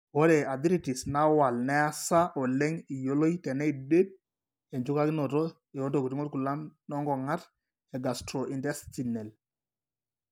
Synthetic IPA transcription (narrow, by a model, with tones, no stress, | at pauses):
wɔ˦ɾɛ˨a˨di˦ɾi˨ti˨sna˦wa˨lnɛ˦a˦sa˦ʔɔ˨lɛ˦ŋi˨jo˦lo˦i˦tɛ˨nɛ˦i˨de˦d̚ | ɛ˨ɲd͡ʒʊ˦ka˦kɪ˦nɔ˨tɔ˦ | e˨o˦ndɔ˨ku˨ti˦ŋɔ˦t̚ku˨la˦mnɔ˦ŋɡɔ˨ŋa˦ɾ | ɛ˨ɡa˨stɾɔ˨ʔi˨ndɛ˦sti˨nɛ˨l